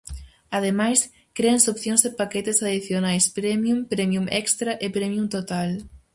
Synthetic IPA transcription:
að̞emajs | kɾeansopθjõŋzðɪpakɛt̪esaðiθjonajspɾɛmjumpɾɛmjumʔɛkst̪ɾɐʔepɾɛmjumt̪ot̪al

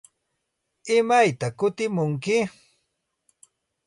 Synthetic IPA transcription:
ɪmajt̪akʊt̪ɪmʊŋkɪ

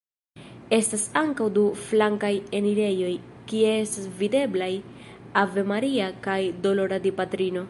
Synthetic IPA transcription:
e̞stasaŋkawduflaŋkajeniɾe̞jo̞j | kieestasvide̞blaj | ave̞maɾiakajdo̞lo̞ɾadipatɾino̞

